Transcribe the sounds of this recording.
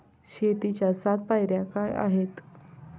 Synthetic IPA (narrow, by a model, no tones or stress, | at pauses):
ɕet̪it͡ɕjasat̪̚pajɾjakaja̰ɦet̪